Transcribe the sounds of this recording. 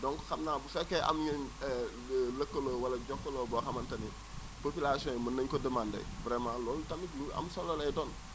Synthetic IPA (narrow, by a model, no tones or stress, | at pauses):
dɔŋkxɐmnaːbusɛkːɛʔɐ̰mjənɛ | lɐkːɐlɔwɐlɐɟɔkːɐlɔːbɔxɐmɐntɐnɛ | popilasiɔ̃jmɐnːɐɲkɔdəmandɐ̰jbɾɛmãːlɔːltɐmikluɐ̰msɔlːɐlɐjdɔn